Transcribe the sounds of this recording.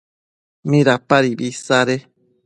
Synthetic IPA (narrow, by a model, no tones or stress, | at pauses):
mĩɾapaɾibisaɾe